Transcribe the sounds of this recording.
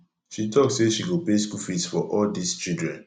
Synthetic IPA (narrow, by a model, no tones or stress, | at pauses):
ʃitʰɔk̚tseʃiɡopeskufitsfɔʔɔldist͡ʃildɹɛ̰̃n